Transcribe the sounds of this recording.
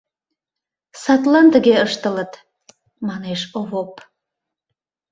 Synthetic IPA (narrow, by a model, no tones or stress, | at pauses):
sɑt̪lɑnt̪əɣeəʃt̪ələt̪ | mɑneʃoβop